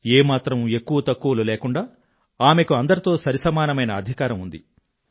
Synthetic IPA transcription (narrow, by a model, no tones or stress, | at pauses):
eːmaːt̪ɾɐme̞kːuʋɐt̪ɐkːuʋɐluleːkuɳɖaː | aːme̞kuɐnd̪ɐɾit̪o̞ːsɐɾisɐmaːnɐmɐjnɐːd̪ʱikaːɾɐmund̪ḭ